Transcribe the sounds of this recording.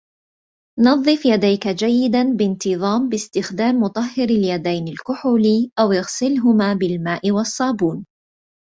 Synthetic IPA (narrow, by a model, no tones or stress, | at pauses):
nɑðˤːɨfjad̪ajkad͡ʒajːɪd̪anbɪnt̪ɨðˤɑːmbɪst̪ɪxd̪aːmːʊt̪ˤɑhːɪɾaljad̪ajnalkʊħʊliːʔawjaɣsɪlɦʊmaːbɪlmaːʔɪwɑsˤːɑːbuːn